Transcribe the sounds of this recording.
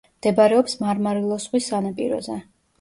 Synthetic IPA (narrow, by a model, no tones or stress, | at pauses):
md̪̥ɛbɾɛɔpsmaɾmaɾilˠɔsχwisːanapʼḭɾɔ̰zɛ